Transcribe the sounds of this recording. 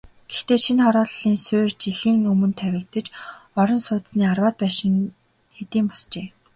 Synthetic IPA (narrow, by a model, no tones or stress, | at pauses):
ɡ̥ext̪eːʃʰinχɔɾɔːɮɮiːnsʊːrt͡ɕiɮiːŋɵmɵ̆nt̪ʰæwʲɪ̆k̚t̪ə̆t͡ɕɔɾɞ̆nsʊːt̪sniːarwaːt̪̚pæːʃɪ̆ŋ | xet̪iːmpɔ̥st͡ɕeː